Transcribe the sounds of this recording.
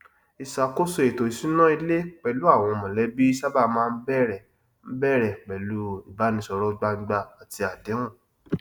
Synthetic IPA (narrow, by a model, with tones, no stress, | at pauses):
i˨sa˨ko˦so˧e˨to˨i˨si˨˦nã˦i˧le˦k͡pɛ˨lu˦a˦˨w̃ɔ̃˧mɔ̃˨lɛ˨˦bi˦ʃa˦ba˦˨mãː˦˧n̩˦bɛ˦ɾɛ˨ | n̩˦bɛ˦˨ɾɛ˨k͡pɛ˨lu˨˦i˦˨ba˨˦nĩ˧sɔ˧ɾɔ˦ɡ͡ba˦˧˦ɡ͡ba˧a˨ti˧a˨dɛ˨˦w̃ɔ̃˦˨